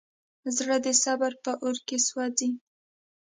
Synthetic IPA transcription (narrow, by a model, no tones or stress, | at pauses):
zɽəd̪əsabaɾpəʔoɾkeswɑzi